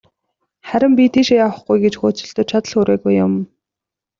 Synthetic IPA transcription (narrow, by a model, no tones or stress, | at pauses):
χæɾʲɪ̆mpʲit̪ʰeʃjaːwə̆χɡujɡet͡ɕxʊːt͡sɵ̆ɬt̪ɵ̆t͡ɕʰat̪ə̆ɮxɵɾeːɣujːʊm